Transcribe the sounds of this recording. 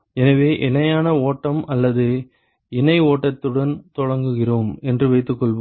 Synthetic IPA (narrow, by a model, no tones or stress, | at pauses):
ɛnɐʋeːʔɪnɐjaːnɐoːʈːɐmɐlːɐðɯ | ɪnɐɪoːʈːɐt̪ːɯɽɐnt̪ɔɻɐŋɡɯɣɪroːmɛndrɯʋɐɪt̪ːɯkːɔɭʋɐ